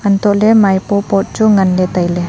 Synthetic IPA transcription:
ant̪ɔʔlɛmajpɔpɔt̚t͡ʃuŋənlɛt̪ajlɛ

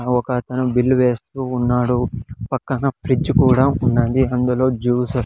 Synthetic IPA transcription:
ɐʋɐkɐt̪ɐnubilːʋe̞ːst̪uːnːaːɽupɐkːɐnɐpʰɾid͡ʒkuːɽaːunːɐnd̪iɐnd̪ulo̞ːd͡ʒuːsɐ

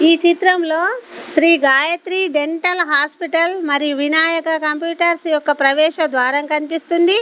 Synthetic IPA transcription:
iːt͡ʃit̪ɾɐmlo̞ːʃɾiːɡaːjɐt̪ɾiɖe̞ɳʈɐlɦaːspiʈɐlmɐɾijuʋinaːjɐkɐkɐmpjuːʈɐɾsijɔkːɐpɾɐʋɛːʃɐd̪ʋaːɾɐmkɐnipist̪und̪i

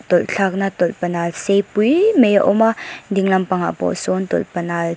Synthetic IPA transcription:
t̪ɔlɬʰak̚nat̪ɔlpənalsejpujmejaʔɔmadiŋlampaŋa̰pɔ̰sɔnt̪ɔ̰lpənal

